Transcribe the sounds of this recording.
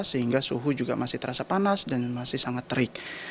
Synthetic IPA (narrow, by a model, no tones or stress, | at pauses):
səɦiŋɡasuɦud͡ʒuɡamasɪht̪əɾasapanasdanmasɪhsaŋat̪ːəɾɪk̚